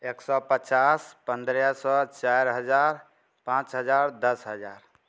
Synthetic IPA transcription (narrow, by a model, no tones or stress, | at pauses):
eːksɔpət͡ʃaːspənd̪ɾjasɔt͡ʃajɾɦəd͡ʒaːɾ | pãːt͡ʃɦəd͡ʒaːɾd̪əsɦəd͡ʒaːɾ